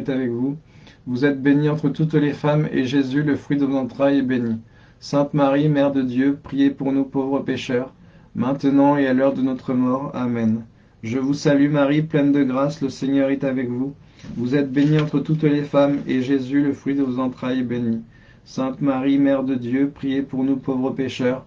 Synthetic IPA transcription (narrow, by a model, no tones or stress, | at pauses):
t̪avɛkvuvuzɛt̪̚beniɑ̃t̪χət̪ut̪lefamḛʒezyləfχɥid̪əvozɑ̃t̪χajɛbeni | sɛ̃t̪maʁimɛʁd̪əd̪jøpχijepuʁnupovʁəpeʃœʁ | mɛ̃t̪ənɑ̃ealœʁd̪ənɔt̪χəmɔʁamɛn | ʒəvusalymaʁiplɛnd̪əɡʁasləseɲœʁɛt̪avɛkvu | vuzɛt̪beniɑ̃t̪χət̪ut̪lefameʒezyləfχɥid̪əvozɑ̃t̪χajɛbeni | sɛ̃t̪maʁimɛʁd̪əd̪jøpχijepuʁnupovʁəpeʃœʁ